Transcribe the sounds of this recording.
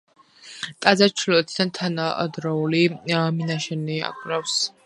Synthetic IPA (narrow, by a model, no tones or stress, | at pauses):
t̪ʼazat͡ʃʰilɔt̪ʰid̪ant̪ʰanad̪ɾɔuliminaʃɛnia̰kʰʼɾafs